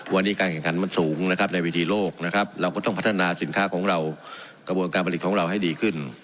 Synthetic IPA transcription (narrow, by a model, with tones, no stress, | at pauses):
wa˧nːiː˦˥kaː˧nkʰɛ˨˩ŋkʰa˨˩˦nma˧˥˩nsuː˩˦ŋna˦˥kʰa˦˥p̚nɛ˧wiː˦˥t̪ʰiː˧loː˥˩k̚na˦˥kʰa˦˥p̚ɾa˧wkɔː˥˩t̪ɔ˥˩ŋpʰa˦˥t̪ʰːa˧naː˧si˨˩˦nkʰaː˦˥˩kʰɔː˩˦ŋɾa˧w | ka˧bu˧ənkaː˧npʰli˨˩t̪̚kʰːɾa˧wɦa˥˩jdiː˧kʰɯ˥˩n